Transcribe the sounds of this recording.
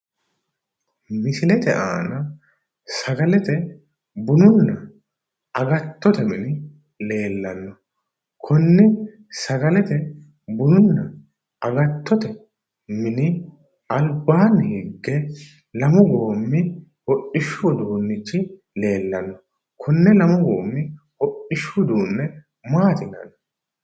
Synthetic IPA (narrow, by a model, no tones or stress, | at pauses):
mɪsɪlɛt̪ɛʔaːnɐ | sɐɡɐlɛt̪ɛ | bʊnʊnːɐ | ɐɡɐt̪ːɔt̪ɛmɪnɪ | le̞ːlːɐnːɔ | kʰʊnːɪ | sɐɡɐlɛt̪ɛ | bʊnʊnːɐ | ɐɡɐt̪ːɔt̪ɛ | mɪnɪ | ɐlbaːnːhɪɡːɛ | lɐmɔɡoːmːɪ | hɔʔːɪʃːʊd̪uːnːɪt͡ʃːɪ | le̞ːlːɐnːɔ | kʰʊnːɛlɐmɔɡo̞ːmːɪ | hɔʔɪʃːʊd̪uːnːɛ | maːt̪ɪnɐ̰nːɔ